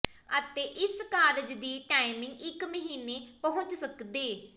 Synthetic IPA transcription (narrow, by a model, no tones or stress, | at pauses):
ət̪eːʔɪskaːɾd͡ʒd̪iːʈaːɪmɪ̃ŋɡɪkməɦiːneːpəɦʊ̃ɲt͡ʃsəkd̪eː